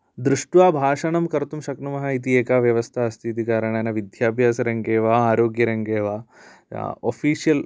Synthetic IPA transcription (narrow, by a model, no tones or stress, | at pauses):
d̪ɾuʂʈʋaːbʱaːʂɐɳɐmkɐɾt̪umʃɐknɐmɐɦɐit̪̬ieːkaːʋjɐʋɐst̪ʰaɐst̪ʰit̪ikaːɾɐɳanɐʋid̪ʱjaːpjaːsɐɾɐŋɡeːʋaːaːɾoːɡjɐɾɐŋɡeːʋa̰ː | ofiːʃijɐl